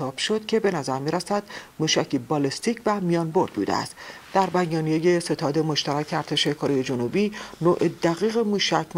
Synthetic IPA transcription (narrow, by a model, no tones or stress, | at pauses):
ɒːb̥ʃo̞d̪̥cʰe̞be̞næzæɾmiːɾæsæd̪̥muːʃæcʰibɒlest̪iːcʰvæmijɒːnbo̞ɾd̪̥̚bṵːd̪ḛæ̰st̪ | d̪̥æɾbæjjɒːnijejese̞t̪ʰɒːd̪e̞mo̞ʃt̪æɾæcʰeæɾt̪ʰe̞ʃe̞kʰoɾejed͡ʒonubiːnoʔed̪æɣiːɣe̞muːʃæcʰm